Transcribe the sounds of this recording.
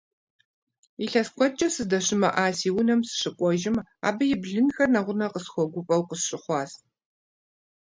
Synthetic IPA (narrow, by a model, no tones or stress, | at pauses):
iɬɐskʷɔt͡ʃʼɐsɨzdɐɕɪmɐ̰ʔaːsiːwʊnɐmsɨ̥ɕɨkʷʼɔʒɪma̰ːbɐjɪbɮɨnxɐrnɐʁʷʊnɐqəsxʷɔɡʷʊpʼɐwqəsɕʼɪχʷɑːs